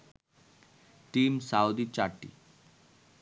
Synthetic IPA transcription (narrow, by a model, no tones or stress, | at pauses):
ʈimsaud̪it͡ɕaɾʈḭ